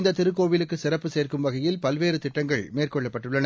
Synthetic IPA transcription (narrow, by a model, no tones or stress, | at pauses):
nd̪ɐt̪ɪɾɯkːoːʋɪlɯkːɯsɪɾɐpːɯseːrkɯmʋɐɣɐjɪlpɐlʋeːɾɯt̪ɪʈːɐŋɡɐɭmeːrkɔɭːɐpːɐʈːɯɭːɐnɐ